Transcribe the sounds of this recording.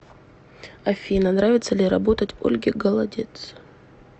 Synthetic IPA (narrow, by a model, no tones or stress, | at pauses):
ɐfʲinɐnɾavʲɪt̪səlʲɪɾɐbo̞t̪ətʲo̞̰lʲɡʲɪɡəlˠɐdʲet̪s